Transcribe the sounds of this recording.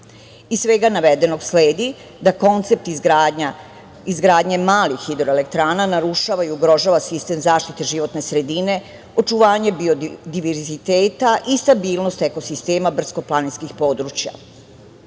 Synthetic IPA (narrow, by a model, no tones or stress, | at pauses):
isʋeɡanaʋed̪e̞noɡsleːd̪i | d̪ako̞nt̪se̞p̚t̪i | izɡɾaːd̪ɲe̞maːlixid̪ɾoelek̚t̪ɾaːnanaɾuʃaʋaiuɡɾo̞ʒaʋasist̪e̞mzaːʃt̪it̪e̞ʒiʋo̞t̪ne̞sɾe̞d̪ine̞ | o̞t͡ʃuʋaːɲe̞biod̪iʋeɾzit̪eːt̪aʔist̪abiːlˠno̞st̪ekosist̪e̞ːmabr̩sko̞planit̪skixpo̞ːd̪ɾut͡ɕja̰